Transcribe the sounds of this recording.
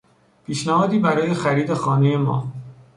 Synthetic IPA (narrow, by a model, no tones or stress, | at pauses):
pʰiːʃnæhɒːd̪iːbæɾɒːje̞xæɾiːd̪e̞xɒːneje̞mɒ̰ː